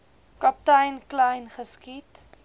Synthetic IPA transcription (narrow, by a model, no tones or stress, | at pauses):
kɐp̚tɐjnklɐjnχəskit